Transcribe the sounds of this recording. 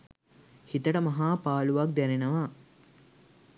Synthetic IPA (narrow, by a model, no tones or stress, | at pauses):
hit̪əʈəmɐɦaːpaːluʋɐk̚d̪ɛɾenɐʋa